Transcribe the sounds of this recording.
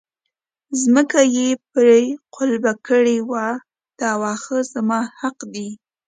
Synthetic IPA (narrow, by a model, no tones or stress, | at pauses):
zməkajepɾeqʰʊlbakəɽewa | d̪̥əawɑxəzamɑhaqd̪i